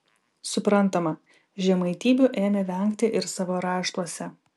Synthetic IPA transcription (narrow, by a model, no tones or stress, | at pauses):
sʊpɾɐnˑt̪ɐmɐ | ʒʲɛmɐɪt̪ʲiːbʲʊʔeːmʲɛʋʲɛŋʲkt̪ʲɪʔɪɾsɑːʋoːɾɑːʃt̪uɔsʲɛ